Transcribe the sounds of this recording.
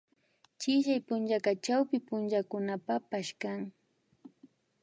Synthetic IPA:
t͡ʃɪʃajpʊnt͡ʃakat͡ʃawpɪpʊnt͡ʃakʊnapapaʃkaŋ

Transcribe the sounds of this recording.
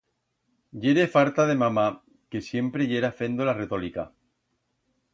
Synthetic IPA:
ɟ͡ʝe̞ɾe̞faɾt̪aðe̞mama | ke̞sje̞mpɾeʝe̞ɾafe̞nd̪olare̞t̪o̞lika

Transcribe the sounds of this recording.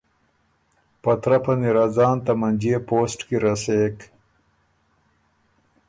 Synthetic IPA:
pɐt̪ɾɐpɐniɾazɑːnt̪ɐmɐnd͡ʑiːpoːsʈkiɾɐseːk

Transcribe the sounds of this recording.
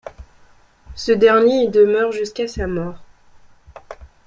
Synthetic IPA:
səd̪ɛʁnjed̪əmœʁʒyskasamɔːʁ

